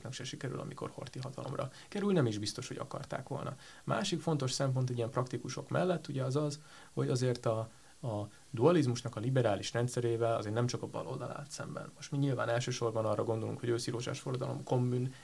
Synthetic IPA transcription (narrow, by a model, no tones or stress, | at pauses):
knɒkʃɛʃikɛɾy̰lʔɒ̰miko̞̰rho̞̰rt̪iɦɒt̪ɒlo̰mrɒ̰ | kɛɾylnɛmiʒbist̪o̞ʃho̞ɟɒ̰kɒ̰rt̪a̰ːkʋo̞̰lnɒ̰ | ma̰ːʃikfo̞nt̪o̞ʃsɛmpo̞nt̪̬ɛɟijɛmprɒkt̪ikuʃo̞̰kmɛ̰lːɛt̪ːuɟɛɒzɒz | ho̞ɟɒzeːrt̪ɒ | ɒ | d̪uɒlizmuʃnɒkɒlibɛɾaːliʃrɛnt̪sɛɾeːvɛlɒ̰zeːrtnɛmt͡ʃɒkɒbɒ̰lo̞̰ld̪ɒla̰ːt̪sɛmbɛ̰nmo̞ʃt̪miɲilvaːnɛlʃøːʃo̞rbɒnɒrːɒɡo̞nd̪olṵŋkho̞ɟøːsiɾoːʒa̰ːʃforɒd̪ɒlo̞̰mko̞mːyn